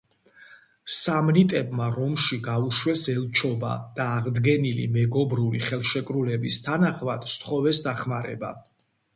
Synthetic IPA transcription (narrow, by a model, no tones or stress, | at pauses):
samnit̪ʼɛbmaɾɔmʃiɡauʃwɛsɛlˠt͡ʃʰɔba̰d̪̥aːʁd̪ɡɛnilḭmɛɡɔbɾulḭχɛlˠʃɛkʼɾulɛbist̪ʰanaχmad̪̥st̪χɔvɛsd̪aχmaɾɛ̰ba̰